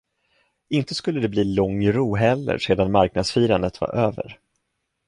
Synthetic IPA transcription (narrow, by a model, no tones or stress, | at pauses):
ɪnt̪əskɵlːəd̪ɛbliːlɔŋːɾuːɦɛlːə̰ɾʂeːd̪anmaɾk̚nad̪sfiːɾand̪ət̪va̰ɾʔøːvə̰ɾ